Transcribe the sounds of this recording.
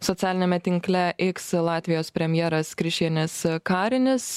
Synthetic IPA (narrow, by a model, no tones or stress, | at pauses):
sɔt̪sʲæːlʲɪnʲɛmʲɛt̪ʲɪŋklʲɛʔɪkslˠɑːt̪ʲʋʲɪjoːspʲɾʲɛmʲjɛːɾɐskɾʲɪʃʲtʲiɛnʲɪskɑːɾʲɪnʲɪs